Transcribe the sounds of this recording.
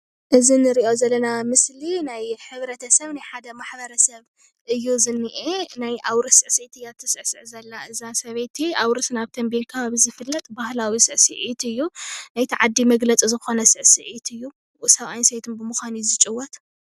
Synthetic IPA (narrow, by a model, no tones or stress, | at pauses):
ʔɨzinɨɾiʔo̞zɐlːɐnamɨslinajħɨβɾɐt̪ʰɐsɐβnajħad̪ɐmaħbɐɾɐsɐβ | ʔɨjːuzɨnːɨʔenajʔawɾɨsɨʕsejt̪ʰɨjat̪ʰɐsɨʕsɨʕzɐlːaɨzasɐβet̪ʰːiawɾɨt̪naβt̪ʰɐmbilkʰɐβaβizɨfɨlːɐt̪ʼbahlawisɨʕsɨʕit̪ʰɨjːunajt̪ʰiʕad̪ːimɐɡlɐt͡sʼizɨxo̞nɐsɨʕsɨʕit̪ʰɨjːu | sɐβajnsejt̪ʰɨnbɨmuxanjzɨt͡ʃʼɨwːɔt̪